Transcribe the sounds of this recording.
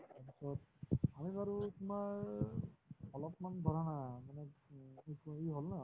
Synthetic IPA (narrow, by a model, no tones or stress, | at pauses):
apisɔt̪̚amibaɹutumaɹ | ɔlɔp̚manbʱɔɾanaamanɛ | keɦolna